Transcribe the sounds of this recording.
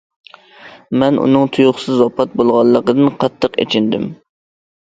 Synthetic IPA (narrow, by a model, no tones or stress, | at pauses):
mɛnʔṵnɨŋt̪ʰujʊχsɨzopʰɑt̪̚bolˠʁɑlˠːəqəd̪ɨnqʰɑt̪ʰːəqḛt͡ʃʰɪnd̪ɪm